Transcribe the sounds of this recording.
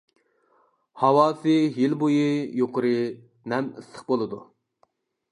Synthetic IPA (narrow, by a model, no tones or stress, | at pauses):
hɑwɑːsɨɦilbojijoqʰəɾɨ | nɛmɨsəχbolˠɨd̪u